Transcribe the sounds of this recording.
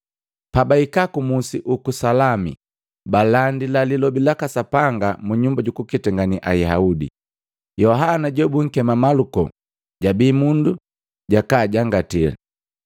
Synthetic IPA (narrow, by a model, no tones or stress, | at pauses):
pabaikakumusiʔukusalamḭ | balandilalilɔbilakasapaŋɡamuɲumbaɟukukitaŋɡaniʔaihaudḭ | jɔɦanaɟɛbuŋ̩kɛmamalukɔ̰ | ɟabiːmundu | ɟakaːɟaŋɡatila̰